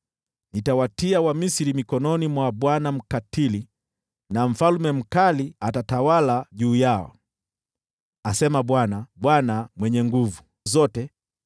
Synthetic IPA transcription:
nitawatiawamisiɾimikɔnɔnimwaɓwanam̩katili | naɱ̩falmɛm̩kaliatatawalaʄuːjaɔ̰ | asɛmaɓwanaɓwanamwɛɲɛŋɡuvu | zɔtɛ

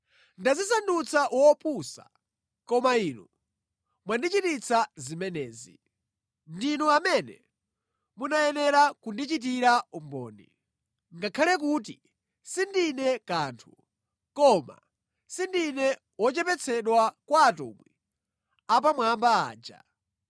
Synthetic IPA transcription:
ndazisandut͡sʰaʔwɔpʰusa̰ | kɔmaiːnɔ | mwandit͡ʃitit͡sʰazimɛnɛːzḭ | ndinɔamɛnɛ̰ | munajɛnɛɾakundit͡ʃit̬iɾaumbɔ̰ːnḭ | ŋɡakʰalɛk̬ut̬i | sindinɛkaːntʰu | kɔma̰ | sindinɛ | wɔt͡ʃɛpɛt͡sʰɛɗwakwaːtṵmwɛ | ap̬amwambaa̰ːd͡ʒa̰

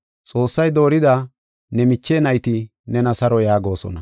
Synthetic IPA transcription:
t͡sʼo̞ːsːɐjd̪o̞ːɾɪd̪a | nɛmɪt͡ʃːeːnɐjt̪ɪ | nɛnɐsɐɾɔjaːɡo̞ːsɔ̰nɐ

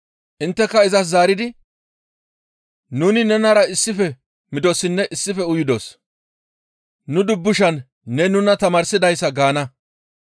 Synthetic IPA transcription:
ʔɪnt̪ːɛkːɐɪzɐs̬zaːɾɪd̪ɪ | nuːnɪnɛnɐɾɐɪsːɪfɛ | mɪd̪ɔsɪnːɛʔɪsːɪfɛʊjɪd̪os | nʊd̪ʊbːʊʃɐnː | ɛnʊnɐt̪ɐmaːɾsɪd̪ɐjsːɐɡaːnɐ

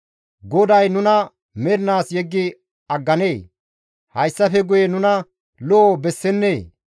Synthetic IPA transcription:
ɡɔd̪ɐjnʊnɐ | mɛɾɪnaːsjɛɡːɪ | ɐɡːɐneː | hɐjsːɐfɛɡʊjɛnʊnɐ | loːbɛsːɛnːeː

